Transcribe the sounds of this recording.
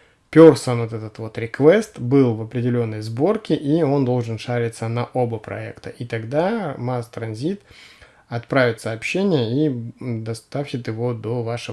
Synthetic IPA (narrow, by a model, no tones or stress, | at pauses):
pʲorsənvot̪ɛt̪ət̪vo̞t̪ɾʲɪkvɛst̪bɨlˠvɐpɾʲɪdʲɪlʲo̞nːəjzbo̞rkʲɪʔio̞nd̪o̞lˠʐɨnʂaɾʲɪt̪sənɐʔobəpɾɐ̰ɛ̰kt̪əʔit̪ɐɡd̪amast̪ɾɐnzʲit̪ | ɐt̪̚pɾavʲɪt̪sɐːpɕːenʲɪjəid̪ɐst̪afɕɪt̪ɪvo̞d̪o̞vaʂɨ